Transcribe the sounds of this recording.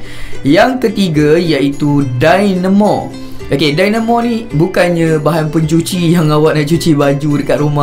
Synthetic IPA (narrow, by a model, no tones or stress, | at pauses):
jaŋkət̪iɡajait̪udajnəmɔ̰ | ʔokedajnə̃mɔnĩbukanɲãbaɦanpəɲt͡ʃut͡ʃijaŋawaʔ̪̚naʔt͡ʃut͡ʃibad͡ʒudəkat̪̚ɾumã